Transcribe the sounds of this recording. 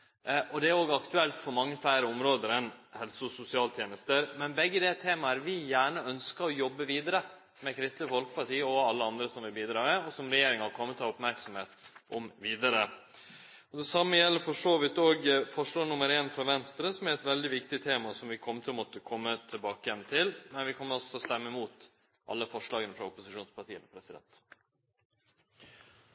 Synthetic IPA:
ʔɔd̪ɛæɾoːɡəɑkt̪ʉɛlt̪fɔɾmɑŋːəflæɪɾəɔmɾoːd̪əɾɛnhɛlsʊsʊsɪɑːlt̪ʰjeːnəst̪əɾmɛnbɛɡːəd̪eːlt̪ʰeːmɑæɾʋɪjæːɳəœnskəɾɔjɔbːəʋiːd̪əɾə | mɛkʰɾɪst̪ləfɔlkə̥pʰɑʈiːəɔɑlːəɑnd̪ɾəsɔmʋɪbiːd̪ɾɑːmɛɔsɔmɾɛjeːɾɪŋɑkʰɔmːət̪ʰːɑːɾʊpmæɾksɔmheːt̪ʔɔmʋiːd̪ɑɾə | ɔd̪ɛsɑmːəjɛlːəɾfɔʂoːʋɪt̪ːoːɡfɔʂɭɑːnʊməɾeːnfɾɑʋɛnst̪ɾəsɔmæɾɛt̪ʋɛld̪ɪʋɪkt̪ɪt̪ʰeːmɑsɔmʋɪkʰɔmːət̪ʰɪlmɔt̪əkʰɔmːət̪ʰɪlbɑːkəjɛnt̪ʰɪlmɛnʋɪkʰɔmːəɾɔsɔ̥t̪ʰɛɔst̪ɛmːəmuːt̪ | ʔɑ̰lːəfɔʂɭɑːɡənəfɾɑʊpʊsɪʂuːnspʰɑʈiːənəpʰɾɛsɪd̪ɛ̰nt̪

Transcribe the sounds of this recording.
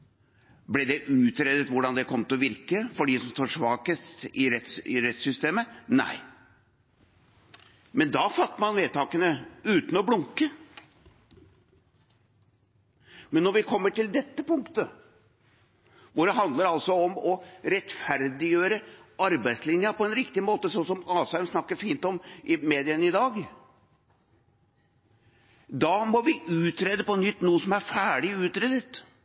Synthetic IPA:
blɛd̪ɛʔʉːt̪ɾed̪ət̪ʋʊɖɑnd̪ɛkʰɔmt̪ʰɪlɔʋɪɾkəfɔɖiːsɔmst̪oːʂʋɑːkəstt̪ɪɾɛt̪sɪ̰ɾɛt̪sʏst̪eːmənæ̰ɪ | mɛnd̪ɑfɑt̪ːəmɑnʋeːt̪ʰɑːkənəʉːt̪n̩ɔblʊŋkə | mɛnːɔɾʋɪkʰɔmːəʈɪld̪ɛt̪ːəpʊŋkt̪ə | ʋʊɾəɦɑnd̪ləɾɑlsɔɔmɔɾɛt̪fæɾd̪ɪjøːɾəɑɾbæɪt̪slɪnjəpɔɛnɾɪkt̪ɪmoːt̪əsɔnsɔmɑːsæɪmsnɑkːəɾfiːnt̪ɔmɪmeːd̪ɪənəɪd̪ɑːɡ | d̪ɑːmɔʋɪʔʉːt̪ɾeːd̪əpɔnʏt̪ːnuːəsɔmæɾfæːɖɪʉːt̪ɾeːd̪ət̪

